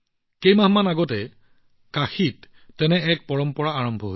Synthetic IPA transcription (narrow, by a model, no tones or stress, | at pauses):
kejmaɦmanaɡɔtɛ | kaxitː | ɛnɛɛk̚pɔɹɔmpɔɹaaɹɔmbʱɔɦo